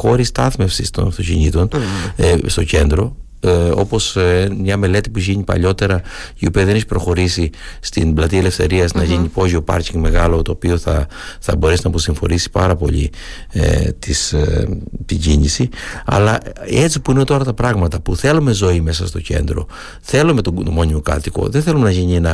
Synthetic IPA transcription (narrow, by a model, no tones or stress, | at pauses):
xo̞ɾist̪ɐθme̞fsist̪o̞̰nɐft̪o̞ciɲit̪o̞n | st̪o̞ce̞nd̪ɾo̞ | o̞̰po̞smɲɐme̞le̞t̪i̥puʝiɲipɐ̰ʎo̞t̪e̞ɾɐiopiɐðeneçi̥pɾo̞xo̞ɾisist̪inblɐt̪iele̞fθe̞ɾiɐznɐʝiɲipo̞ʝiopɐ̰ɾciŋɡme̞ɣɐlo̞t̪oːpio̞θɐ | θɐ̰bo̞ɾesinɐpo̞siɱfo̞̰nisi̥pɐɾɐpo̞̰ʎḭ | t̪is | t̪iɲɟiɲisiɐ̰lɐe̞t͡sipuinet̪o̞ɾɐt̪ɐpɾɐɣmɐt̪ɐpuθe̞lume̞zo̞ime̞sɐst̪o̞ce̞̰nd̪ɾo̞̰ | θe̞lume̞t̪ot̪mo̞ɲimo̞kɐ̰t̪iko̞̰ðenθe̞lume̞nɐʝiɲie̞nɐ